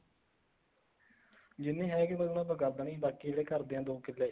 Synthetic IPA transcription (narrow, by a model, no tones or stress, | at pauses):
d͡ʒɪnːẽːɦɛːkɪmənãːbəɡəɾd̪ãːnĩːbaːkiːleːkəɾd̪eːãːd̪oːkɪlːeː